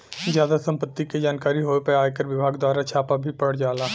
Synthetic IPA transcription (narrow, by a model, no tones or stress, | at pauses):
zjaːd̪asə̃mpət̪ːiked͡ʒaːnkaːɾiɦoːepeaːjkəɾʋɪbʱaːɡd̪waːɾat͡ʃʰaːpabʱipɐɽd͡ʒaːlaː